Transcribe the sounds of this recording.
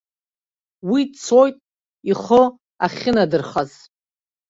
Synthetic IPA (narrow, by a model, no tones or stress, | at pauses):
widt͡sʰo̞jtʼ | iχʊ | aχʲɪnadɨrχaz